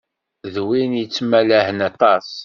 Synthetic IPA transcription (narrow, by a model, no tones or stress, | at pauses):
ðwinjət͡sːmælæhənɑt̪ˤɑs